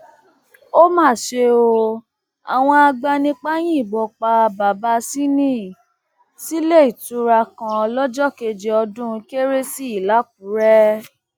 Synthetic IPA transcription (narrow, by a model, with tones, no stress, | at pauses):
o˦mãː˦˨ʃe˧o˧ | a̰˨w̃ɔ̃˧a˧ɡ͡ba˧nĩ˧k͡pa˦j̃ĩ˦i˦˨bɔ˨k͡pa˧ba˨ba˧si˦nĩ˦ | si˦le˦˨i˨tu˨˦ɾa˧kã˧ɔ˧lɔ˦d͡ʒɔ˦ke˧d͡ʒe˧ɔ˧dũ˦˧ke˦ɾe˦si˦i˦˨la˨˦k̚u˨˦ɾɛ˦